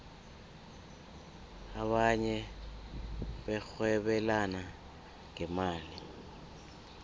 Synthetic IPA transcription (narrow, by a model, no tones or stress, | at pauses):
aɓaɲɛ | ɓɛk͡xwɛɓɛlana | ŋʱɛmaːli